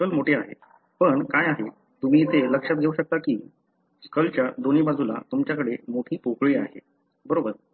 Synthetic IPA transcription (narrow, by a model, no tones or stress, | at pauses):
skəlmoʈʰeaɦḛ | pəɳkajaɦe | t̪um̤iːt̪eləkʂat̪̚ɡʱeuɕək̚t̪akiː | skəlt͡ɕjad̪oniːbad͡zʱula̰t̪umt͡ɕjakəɽemoʈʰiːpokɭiːa̰ɦḛ | bəɾobəɾ